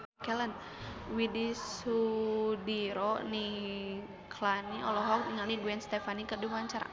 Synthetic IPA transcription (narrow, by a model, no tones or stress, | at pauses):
kɛlən | widisudiɾɔni | kʰlaniʔɔlɔɦɔk̚niŋalniduɛnst̪ɛfanikədumaɲt͡ʃaɾa̰